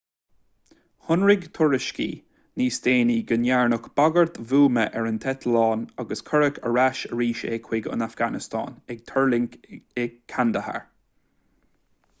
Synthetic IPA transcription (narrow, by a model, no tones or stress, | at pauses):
hʊnɹɪɡt̪ʰʊɹɪʃkḭ | niːst̪eːniɡənjaɹnʊkb̥aɡəɹt̪vuːməʔɛɹənt̪ʰɛt̪ʰlɑːnaɡəskʰəɹəkʰə̰ɹaʃəɹiːʃḛkʰwɪɡə̰nafɡ̥anɪst̪ʰɑ̰ːnɛɡ̚t̪ʰəɹlɪŋkɛɡ̚kʰːand̪əha̰ɹ